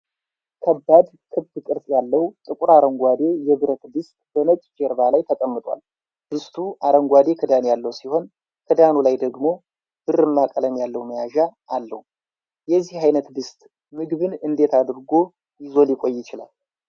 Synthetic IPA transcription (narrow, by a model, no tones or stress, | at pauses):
kʰəbːad̪ | kʰɨβt̪ɨkʼɨɾsʼjalːəwt̪ʼɨkʼuɾaɾəŋɡʷad̪e̞jɛβɨɾət̪d̪ɨst̪ʼb̥əmət͡ʃʼd͡ʒeɾbalajt̪ʰəkʼəmːɨt̪ʼwa̰l | d̪̥ɨst̪ʰuʔaɾəŋɡʷwad̪e̞kʰɨd̪anjalːəwsiho̞n | kʰɨd̪anulajd̪əɡmo̞ | b̥ɨrɨmːakʼələmjalːəwməjaʒaːlːə̰hu | jɛzːihhajnət̪d̪ɨst̪ʼ | mɨɡβɨnɨnd̪e̞t̪ʰad̪ɾɡo̞ | jɪzo̞lɪkʷʼo̞jːɪt͡ʃɪla̰l